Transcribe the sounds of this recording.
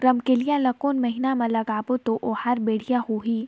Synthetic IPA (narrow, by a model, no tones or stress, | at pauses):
ɾɐmkelijalɐkoːnmɐɦɪnamɐ̃lɐɡaːpõt̪oʔoːhaːɾbeːɽ̤ijahuɦiː